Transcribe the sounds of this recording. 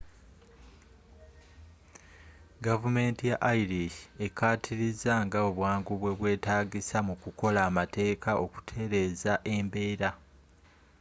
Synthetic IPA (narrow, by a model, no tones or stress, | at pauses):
ɡavume̞ːntijaʔaiɾie̞kaːtʰiɾizaŋɡao̞βwaːŋɡuβwe̞βwe̞ːtaːɡisamukuko̞laːmate̞ːkʰao̞ku̥tʰe̞ɾe̞ːzaʔe̞mbe̞ːɾa